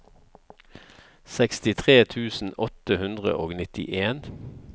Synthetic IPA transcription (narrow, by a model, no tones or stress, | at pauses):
sɛkst̪ɪt̪ʰʁeːt̪ʰʉːsn̩ɔt̪əhʉnd̪ʁə̰ʔoːɡnɪt̪ɪ̰ʔeːn